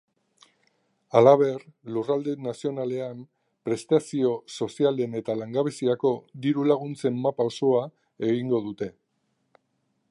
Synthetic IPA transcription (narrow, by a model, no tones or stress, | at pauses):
alaβ̞e̞rlurald̪enasio̞nale̞am | pɾe̞st̪asio̞so̞siale̞ne̞t̪alaŋɡaβesiako̞d̪iɾulaɣ̞unt͡se̞mːapao̞so̞a | e̞ɣiŋɡo̞ð̞ut̪e̞